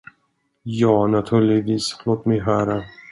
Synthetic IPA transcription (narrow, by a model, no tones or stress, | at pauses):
jɑːnat̪ʰʉ̟ːɭɪɡviːsloːt̪mɛjɦœːɾa